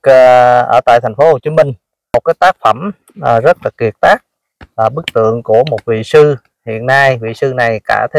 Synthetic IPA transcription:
ʔəː˧˩t̪a̰ː˧˨jt̪ʰɛ˨˩ŋ̟fo˨˦ho˨˩t͡ɕi˧mï˨˩ŋ̟ | mo˨˩t̚kaː˨˦jt̪aː˦˥k̚fə˧˩m | ʔːzə˦˥t̚la˨˩ki˨˩ət̚t̪aː˦˥k̚ | laː˨˩ɓɨ˦˥k̚t̪ɨ̰˧˨əŋku˧˩əmo˨˩t̚vḭ˧˨sɨ˧ | hḭ˧˨ənːa˧jvḭ˧˨sɨ˧na˨˩jkaː˧˩t̪ʰe˧˦

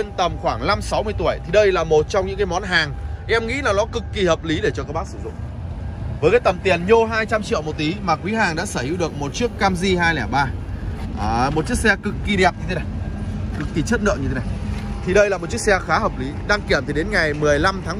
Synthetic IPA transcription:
nt̪ə˨˩mxwaː˧˩ŋla˧msa˨˦wŋ͡mmɨ˧əjt̪u˧˩əjt̪ʰi˨˩ɗə˧jlaː˨˩mo˨˩t̚t͡ɕɔ˧wŋ͡mɲɨ̰˧˥ŋkaː˨˦jmɔ˨˦nɦaː˨˩ŋʔɛ˧mŋḭ˧˥laː˨˩ŋɗɔ˨˦kɨ˨˩kːi˨˩həː˨˩p̚li˨˦ɗe˧˩t͡ɕɔ˧kaː˦˥k̚ɓaː˦˥k̚sɨ̥̰˧˩zʊ̰˧˨ŋ͡m | vəː˨˦jkaː˨˦jt̪ə˨˩mt̪i˨˩ənɲo˧ɦaː˧jt͡ɕa˧mt͡ɕḭ˧˨əwmo˨˩t̚t̪i˨˦maː˨˩kwi˨˦ɦaː˨˩ŋɗa̰ː˧˥səː˧˩hi˧˥wɗɨ˨˩ək̚mo˨˩t̚t͡ɕi˦˥əkːaː˧mzi˧ɦaː˧jlɛ˧˩ɓaː˧˨˩ | mo˨˩t̚t͡ɕi˦˥ək̚sɛ˧kɨ˨˩kːi˨˩ɗɛ˨˩p̚ɲɨ˧e˨˦na˨˩jkɨ˨˩kːi˨˩t͡ɕɨ˦˥t̚nə̰˧˨ʔɲɨ˧t̪ʰe˦na˨˩jt̪ʰi˨˩ɗə˧jlaː˨˩mo˨˩t̚t͡ɕi˦˥k̚sɛ˧xaː˨˦ɦəː˨˩p̚li˨˦ɗa˧ŋki˧˩əmt̪ʰi˨˩ɗe˨˦nŋa˨˩jmɨ˨˩əjla˧mt̪ʰaː˨˦

